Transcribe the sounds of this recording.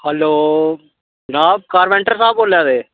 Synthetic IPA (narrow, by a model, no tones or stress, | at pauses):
hɐloː | naːkaːɾʋɛɳʈɐɾsaːpoːljaːðe